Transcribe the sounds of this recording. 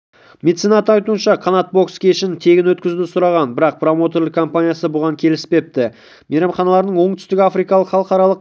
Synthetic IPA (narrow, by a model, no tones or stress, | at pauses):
me̞d̪t̪sinɑt̪əɑjt̪uənʃɑqʰɑnɑt̪̚bo̞kskʲʰe̞ʃɪnt̪ʰe̞ɡʲɪnwɵt̪kʲɪzd̪ɪsʊɾɑʁɑnbɪɾɑq̚pʰro̞mo̞t̪oɾlɪkʰo̞mpanʲijasəbʊʁɑŋkʲʰe̞lɪspe̞p̚t̪ɪ | meɾɑmχɑnɑlˠɑɾnəɴwo̞ɴt̪ʰʏ̥st̪ɪkʲɪafɾijkɑlˠəqχɑlˠəqɑɾɑlˠəq